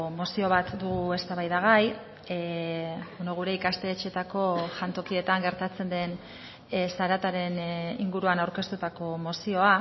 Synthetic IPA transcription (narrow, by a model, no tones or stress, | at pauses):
mo̞sio̞β̞at̪d̪uɣ̞ue̞st̪aβajðaɣaj | bono̞ɣ̞uɾe̞ikast̪e̞ːt͡ʃe̞t̪ako̞ʝant̪o̞kie̞t̪aŋɡe̞ɾt̪at͡se̞nd̪e̞n | saɾat̪aɾe̞niŋɡuɾuanawɾke̞st̪ut̪ako̞mo̞sio̞a